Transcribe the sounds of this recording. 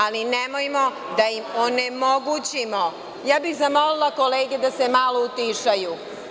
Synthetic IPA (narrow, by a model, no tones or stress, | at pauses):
alinemojmo̞ | d̪ajimonemoɡut͡ɕimo̞ | jaːbixzamo̞lilˠako̞leːɡed̪asemaːlˠo̞ut̪iʃaju